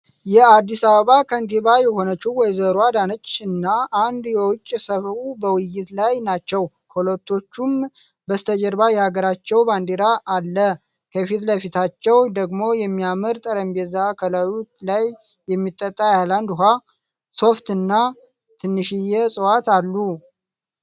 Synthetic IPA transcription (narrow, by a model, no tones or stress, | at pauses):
jɛad̪ːisaβəβakʰənt̪ʰeβajɛho̞nət͡ʃːuwɔjzəɾuad̪anət͡ʃːɨnːaʔand̪jɛwʊt͡ʃʼːsəβɾubəwɨjːɪt̪lajnat͡ʃːɛw | kʰolot̪ʰːo̞t͡ʃːum | bəst̪ʰəd͡ʒəɾbajɛhaɡəɾat͡ʃːɛwband̪eɾaʔːlːə | kʰəfit̪ləfit̪ʰat͡ʃːɛwd̪əɡmo̞jɛmːiamɨɾt̪ʼəɾəmbezakʰəlawut̪lajː | ɛmːit̪ʼːət̪ʼːajaland̪ɦʷa | so̞ft̪ɨnːa | t̪ʰɨnːɨʃijɛsʼəwat̪alːu